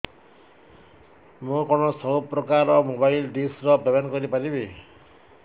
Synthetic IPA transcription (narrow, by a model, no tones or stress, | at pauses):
mũkɔnɔsɔupɾɔkaɾɔmobajlɖisɾɔbabankɔɾipaɾibe